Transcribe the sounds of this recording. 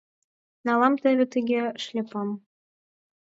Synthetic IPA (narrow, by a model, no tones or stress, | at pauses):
nɑlˠɑmt̪ɘ̆βʲɘ̆t̪ɘɡʲeʃlʲepɑm